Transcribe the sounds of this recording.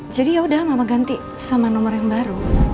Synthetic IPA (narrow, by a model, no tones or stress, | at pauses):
d͡ʒadijaudahmamaɡant̪i | samanɔmɔrjaŋbaɾu